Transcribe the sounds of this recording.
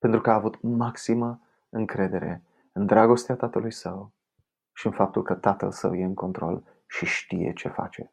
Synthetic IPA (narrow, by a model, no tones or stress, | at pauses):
pent̪ɾukəaːvut̪maksimə | ɨŋkɾe̞d̪e̞ɾe̞̰ | ɨnd̪ɾaɡo̞st̪eat̪at̪əlujsəw | ʃiɨnfap̚t̪ulkət̪at̪ə̰lsə̰wje̞ɨŋko̞nt̪ɾo̞̰l | ʃiʃt̪ije̞̰t͡ʃe̞fa̰t͡ʃe̞̰